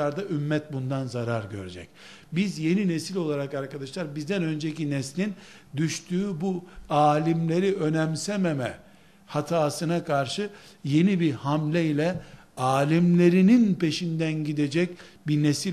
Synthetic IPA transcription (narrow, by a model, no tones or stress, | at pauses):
aɾd̪aʔymːɛt̪̚bund̪anzaɾaɾɟø̰ɾed͡ʒɛ̰c̚ | bizje̞ninesilʲo̞lˠaɾakaɾkad̪aʃlˠaɾbizd̪ænø̞nd͡ʒecinɛslʲin | d̪yʃt̪ʰyːbuaːlʲimlʲe̞ɾiø̞nɛmsɛmemɛ | hat̪ʰaːsɯnakʰaɾʃɯ | je̞nibihamlʲɛilʲɛ | aːlʲimlʲe̞ɾininpe̞ʃind̪ænɟid̪e̞d͡ʒɛc | binesi